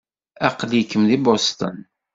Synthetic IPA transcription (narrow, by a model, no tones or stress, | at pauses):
ɑqljikːəmðibost̪ə̰n